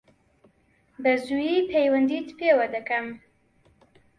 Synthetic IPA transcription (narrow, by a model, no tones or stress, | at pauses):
bɐzujipʰejwɐnd̪it̪pewɐd̪ɐkɐm